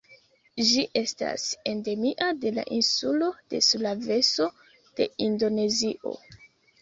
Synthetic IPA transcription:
ʒiʔe̞sta̰se̞nde̞miʔade̞la̰ʔinsulo̞d̥e̞̰sulave̞so̞ | d̥e̞indone̞ziʔo̞̰

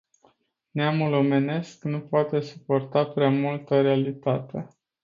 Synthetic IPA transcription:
neamulo̞me̞ne̞sknupoat̪e̞su̥po̞rt̪apɾeamult̪əɾe̞alit̪at̪e̞

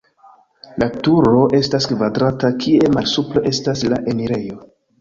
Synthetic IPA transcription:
latuɾo̞ʔe̞staskvadɾatakʰie̞malsuple̞ʔe̞stasla̰ʔe̞miɾe̞jo̞

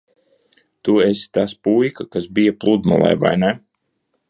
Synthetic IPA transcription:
t̪uesi̥t̪aspujkakasbijaplˠud̪ma̰lˠɛ̰jva̰jnɛ

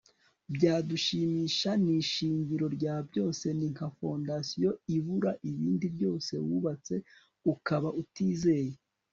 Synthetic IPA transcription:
bɟaːduʃiːmiːʃaniʃiːɲɟiɾo̞ɾɟaːbɟo̞ːse̞niŋ̥afo̞ndasijo̞iβuɾaʔiβiːndibjo̞ːse̞̰wuβat͡se̞ | ukaβaʔutiːze̞ːje

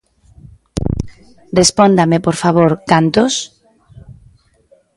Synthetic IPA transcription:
respond̪amepoɾfaβ̞oɾkant̪os

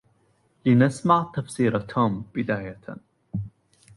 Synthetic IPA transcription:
lɪnasmaʕt̪afsiːɾat̪ʰomb̥ɪd̪aːja

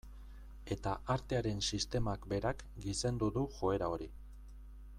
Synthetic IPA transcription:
e̞t̪aʔaɾt̪e̞aɾe̞nsist̪e̞makbe̞ɾak | ɡise̞nd̪uðuʝo̞e̞ɾao̞ɾi

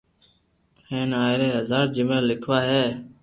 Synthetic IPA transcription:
hẽːnaːɪɾeːɦəzaːɾd͡ʒɪmeːlɪkʰʋaːɦeː

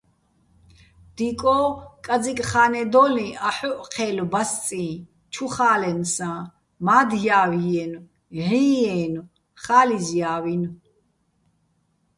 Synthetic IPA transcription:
d̪̥ikʼɔːkʼad͡zikʼχaːnɛd̪ɔːlĩʔaħɔʔqʰɛːlbast͡sʼĩː | t͡ʃʰuχaːlɛnsã | maːd̪jaːwijɛn | ʕiːɛːnu | χaːlizjaːwin

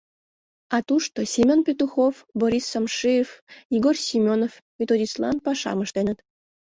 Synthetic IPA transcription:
ɑt̪uʃt̪osʲimʲonpʲet̪uxofboɾʲisːomʃiefiɣorsʲimʲonof | pʲet̪oɾʲislɑ̰npɑʃɑ̰məʃt̪enət̪

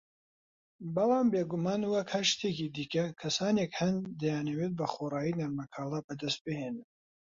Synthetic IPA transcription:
bɐlɑːmbeːɡumaːnwɐkhɐʃt̪ʰekiːd̪iːkɐkʰɐsaːnekhɐnd̪ɐjaːnɐwet̪̚bɐxoːrɑːjinɐɾmɐkʰaːlabɐd̪ɐst̪̚bɨheːnɨn

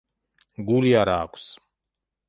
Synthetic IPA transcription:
ɡuliaɾa̰ːku̥s

